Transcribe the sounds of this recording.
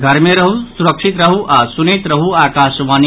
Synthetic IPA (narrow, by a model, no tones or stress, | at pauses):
ɡʱɐɾmeɾɐɦusuɾəkʂit̪ɾəɦuʔasunet̪ɾəɦuaːkaːʃʋaːni